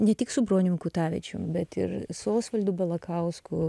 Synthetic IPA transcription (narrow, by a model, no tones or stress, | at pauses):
nʲɛt̪ʲɪksʊbɾoːnʲɪŋkut̪ɑːʋʲɛ̰t͡ʃʲʊ̰bʲɛt̪ɪ̰ɾsoːsʋɐlʲd̪uːbʲɛlˠɐkɐʊskʊ